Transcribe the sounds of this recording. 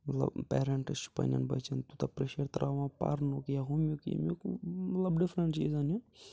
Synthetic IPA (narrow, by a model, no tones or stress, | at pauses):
mɐt̪lɐ̰bpɛːɾeɳʈɨst͡ʃu̥pɐ̰nʲjɐ̰nbɐ̰t͡ʃɐnt̪ut̪ɐpɾeʃɐɾt̪ɾʔaːʋãːpɐ̰ɾnokjaɦumjukjɐ̰mjukmɐt̪lɐbɖifʰɾəɳʈt͡ʃḭːzanju